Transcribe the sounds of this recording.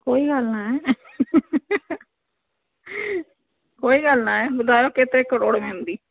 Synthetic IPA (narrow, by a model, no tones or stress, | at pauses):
koːiːɡəlnaːɛː | koːiːɡəlnaːɛːbəd̪aːjoːkɪt̪eːkəɾoːɽmẽːnd̪iː